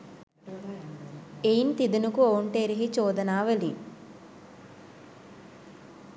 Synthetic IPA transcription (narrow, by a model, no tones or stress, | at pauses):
ejint̪id̪inukuoːɳʈeɾiɦit͡ʃɔːd̪ɐnaːʋɐli